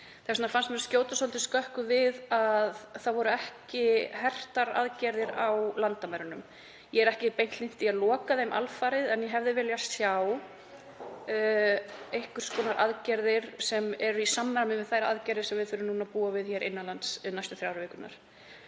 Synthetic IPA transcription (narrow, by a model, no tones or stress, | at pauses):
θasɔnafanst̪mɛːɾscjoːwt̪asolt̪ɪskœhkʏvɪðaðθaðvɔɾʏɛhcɪɦɛr̥t̪aɾa̰ðcɛɾðɪɾawlant̪amaɾʏnʏm | jɛɛɾɛhcɪpejn̥t̪lin̥t̪ialɔːkaðejmʔa̰lfaːɾɪðɛnjɛɦɛvðɪvɪljasjaw | ejhkʏɾ̥skɔːnaɾʔaðcɛɾðɪɾ̥sɛmɛɾʏisamːaɾamɪvɪðθajɾaaðcɛɾðɪɾsɛmvɪðθfʏːɾʏmnuːnapuːavɪðçɛːɾʔɪ̰nːalant̪snajst̪ʏ̥θɾjaːwɾʏvɪːkʏna̰ɾ̥